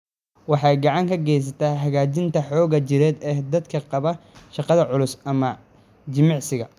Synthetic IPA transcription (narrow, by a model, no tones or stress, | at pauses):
wɑħɑjɡɑʕɑŋkʰɐɡɛjs̬ɐt̪ʰaːɦɐɣaːt͡ʃɪnt̪ʰɐħɔːɣɐt͡ʃɪɾɛːd̪ɛːd̪ɐd̪kʰɐqɑβɐʃɑqɑðɐʕʊlʊsɐmɐ | d͡ʒɪmɑʕsɪɣɐ